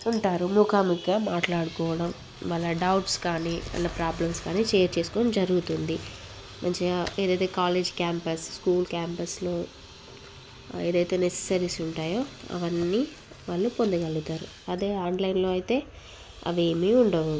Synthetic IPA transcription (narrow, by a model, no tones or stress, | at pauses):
uɳʈaːɾumukaːmiɡaːmaːʈlaːɽukɔːʋɐɽɐm | ʋaːɭːɐɖɐwʈskaːniɐ̰nːɐpɾaːblɐmskaːniːt͡ʃɛːjɐɾt͡ʃeːsu̥koːd͡ʒɐɾuɡut̪und̪i | mʔɐnt͡ʃeeːd̪ɐjt̪e̞ːkaːled͡ʒkjaːmpɐsskuːlkʲjaːmpɐslo̞ː | eːd̪ɐjt̪e̞ːnese̥sɐɾisuɳʈaːjo̞ːɐ̰ʋɐnːiː | ʋaːɭːupond̪ɐɡɐlɡut̪aːɾu | ɐd̪e̞ːaːɳɖlɐjnlo̞ːɐjt̪e̞ː | ɐ̰ʋeːmiuɳɖɐʋu